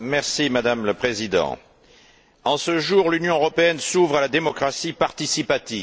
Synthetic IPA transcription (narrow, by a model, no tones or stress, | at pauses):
mɛʁsimad̪amləpχezid̪ɑ̰̃ | ɑ̃səʒuʁlynjɔ̃øʁɔpeɛnsuvʁalad̪emɔkχasipaʁt̪isipat̪iv